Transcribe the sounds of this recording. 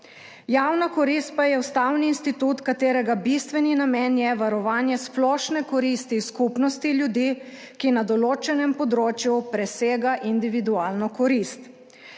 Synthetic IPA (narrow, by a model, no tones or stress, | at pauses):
jawnakɔɾist̪̚pajɛust̪awniːnst̪it̪ut̪kat̪eːɾɛɡabist̪ʋɛninamɛnjɛʋaɾɔʋaːnjɛsplɔːʃnɛkɔɾist̪iskupnɔst̪iljud̪iː | kinad̪ɔloːt͡ʃɛnɛmpɔd̪ɾoːt͡ʃjupɾɛseːɡaʔind̪iʋid̪uaːlnɔkɔɾist̪